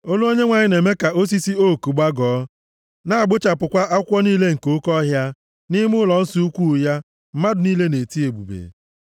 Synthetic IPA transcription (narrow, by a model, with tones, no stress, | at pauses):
o˦lu˦o˦ɲe˦ŋʷa˨ɲɪ˦ne˨me˦ka˨o˦s̬i˦si˦o˦˨ku˨ɡ͡ba˦ɡɔː˨˦ | na˦˨a˨ɡ͡bʊ˦t͡ʃa˨pʊ˨kʷa˦ʔa˦kʷɔ˦niː˦le˦ŋ̩˨ko˨˦kɔ˦ɦja˦ | nɪ˦m˦ʊ˦lɔ˨n̩˦su˨˦u˦kʷu˦˨ja˦ | m̩˦ma˦dʊ˨niː˦le˦ne˨ti˦e˨bṵ˨bḛ˨